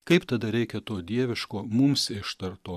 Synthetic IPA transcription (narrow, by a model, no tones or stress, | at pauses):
kɐɪpt̪ɐd̪ɐɾʲɛɪkʲɛt̪oːd̪ʲiɛʋʲɪʃkoːmʊmsɪʃt̪ɐɾt̪oː